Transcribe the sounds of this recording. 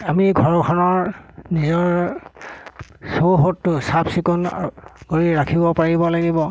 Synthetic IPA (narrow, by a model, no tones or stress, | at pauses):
amiɡʱɔɹɔkʰɔnɔɹnizɔɹ | soɦotːʊsabsikonɡ̥oɹiɹakʰibɔpaɹibɔlaɡibɔ